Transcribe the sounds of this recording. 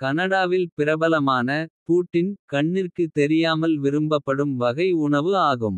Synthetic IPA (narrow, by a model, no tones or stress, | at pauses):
kɐnɐɽaːʋɪlpɪɾɐbɐlɐmaːnɐpuːʈːɪnkɐɳːɪrkɯt̪ːɛɾɪjaːmɐlʋɪɾɯmbɐpːɐɽɯmʋɐɣɐɪʊɳɐʋɯaːɣɯm